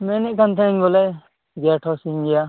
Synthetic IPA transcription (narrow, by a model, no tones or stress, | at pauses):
mɛnɛʔkʰant̪ʰɛɛŋɡɔlɛ | ɡɛʈʰɔsiŋɡɛja